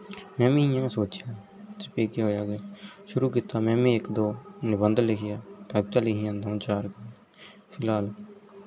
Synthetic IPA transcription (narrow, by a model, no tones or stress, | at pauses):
mɛ̃ːmĩːjãːẽːsoːt͡ʃjaː | t̪ːpeːkeɦoːjaːɡaːʃʊɾuːkiːt̪aːmɛ̃ːmẽːɪkd̪oːnɪbənd̪əlɪkʰɪjaːkaːbt̪aːlɪkiãːnd̪aːũːt͡ʃaːɾka | pʰɪlaːl